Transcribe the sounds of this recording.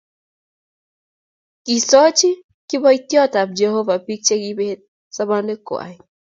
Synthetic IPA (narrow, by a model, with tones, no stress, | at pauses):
ki˨so˦t͡ʃi˦ | ki˦bɔ˦it̪jɔ˦ta˨b̚d͡ʒɛ˨ho˦va˨pi˦k̚t͡ʃe˦ki˦be˦ | sa˦ba˦ne˦ka̰˨i˨